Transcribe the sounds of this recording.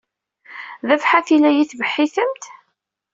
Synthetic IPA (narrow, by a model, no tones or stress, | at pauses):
ðæfħaθilæjiθvəħːiθəmt̪